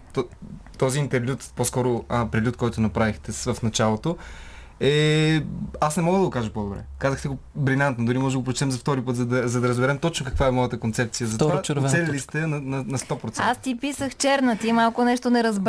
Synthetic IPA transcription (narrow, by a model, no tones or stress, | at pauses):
t̪ɔt̪ɔziːnt̪ɛɾlʲjut̪poskɔɾoəpɾɛlʲut̪̚kɔjt̪ʊnɐpɾavixt̪ɛsvɐfnɐt͡ʃalˠot̪o | ɛ | asnɛmɔɡəd̪ɐɡokaʒəpɔd̪obɾɛ̰kazəxt̪ɛɡobɾinʲant̪nod̪ʊɾimɔʒd̪ɡopɾoʊt͡ʃɛt̪ɛmzɐft̪ɔɾipɤt̪zɐd̪ɐzɐd̪ɐɾəzbɛɾɛmt̪ɔt͡ʃnokɐkvaɛmɔjət̪əkont̪sɛp̚t̪sijəzɐt̪vaaɾsɛllist̪ɛnɐnɐnɐst̪ɔpɾot̪sɛast̪ipisəxt͡ʃɛɾnət̪imalˠkʊnɛʃt̪onɛɾɐzb